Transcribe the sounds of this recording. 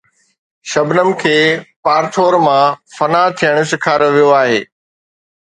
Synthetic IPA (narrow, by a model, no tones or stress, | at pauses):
ʃɐbnəmɪ̆kʰeːpaːɾt̪ʰoːɾmãfɐnat̪ʰijəɽ̃ʊ̆sɪkʰaːɾəʋijoaːɦeː